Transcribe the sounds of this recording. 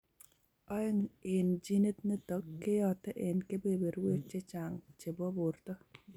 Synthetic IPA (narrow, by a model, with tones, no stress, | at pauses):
ɔ˦ŋɪ˨nd͡ʒi˦ne˦t̪nɛ˦t̪ɔ˨kːe˦jɔt̪ɛ˦ʔe˨nke˦bebe˨ɾwe˦t͡ʃːe˦t͡ʃaŋt͡ʃe˨bɔ˦bʊrt̪ɔ˦